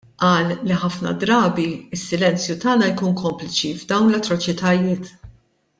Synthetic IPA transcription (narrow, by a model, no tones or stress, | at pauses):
ʔɐːlːiħɐfnɐ̰d̪ɾɐːbiɪsːɪlɛnt͡sjut̪ɐːnɐjkuːnkɔmplɪt͡ʃivd̪ɐwnlɐt̪ːɾɔt͡ʃɪt̪ɐjɪːt̪